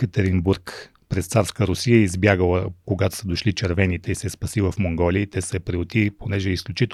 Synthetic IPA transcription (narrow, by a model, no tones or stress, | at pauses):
kət̪ɛɾinbuɾk | pɾɛst̪saɾskəɾʊsiəizbjaɡəlˠəkoɡat̪ʊ̥səd̪oʃlit͡ʃɛɾvɛnit̪ɛisɛspɐsivəfmoŋɡɔliət̪ɛsɛpɾiot̪iponɛʒɛisklʲut͡ʃit̪